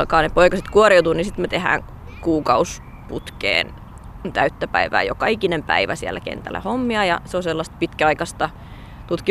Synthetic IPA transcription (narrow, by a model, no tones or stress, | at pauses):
lkɑːnepoikɑset̪kuoriut̪uːnisit̪met̪ehæ̰ːŋ | kuːkɑus | put̪kḛːn | t̪æyt̪ːæpæiʋæ̰ːjokɑikinempæ̰iʋæsiæ̰lːækḛnt̪æ̰lːæ̰homːiɑjɑ̰seoselːɑst̪̚pit̪kæɑikɑst̪ɑ | t̪ut̪ki